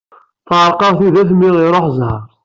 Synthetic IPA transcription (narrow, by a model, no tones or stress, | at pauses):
θʕɾˤqɑðˤθiðæθmːiʁiɾˤoħzˤhɑɾˤ